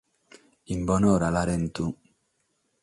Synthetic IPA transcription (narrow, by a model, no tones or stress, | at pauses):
imbɔnɔɾalaɾɛn̩tu